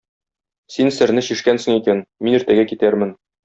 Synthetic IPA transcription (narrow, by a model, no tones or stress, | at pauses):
sinsɘ̆ɾnɘɕiʃkænsɘ̆ŋikænminiɾt̪æɡækit̪æɾmɘn